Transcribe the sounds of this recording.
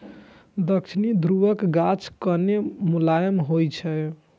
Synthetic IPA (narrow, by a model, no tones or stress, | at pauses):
d̪əkt͡ʃʰinid̪ʱɾuʋəkɡat͡ʃʰkənemulajəmɦojt͡ʃʰɛ